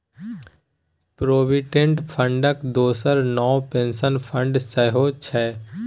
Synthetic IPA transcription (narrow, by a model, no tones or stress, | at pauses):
pɾoːbɪʈẽɳʈpʰə̃ɳɖəkd̪oːsəɾnɔːwpẽːnsənpʰə̃ɳɖsəɦoːt͡ʃʰɛː